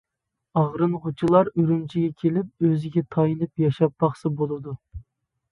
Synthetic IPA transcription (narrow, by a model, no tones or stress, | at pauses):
ɑʁɾɨnʁʊt͡ʃʰilˠɑɾyɾymt͡ʃʰiɡʲɛkʲʰelɪp̚øzɪɡʲɛt̪ʰɑjinɨpjɑʃɑp̚bɑχsɨbolˠɨd̪u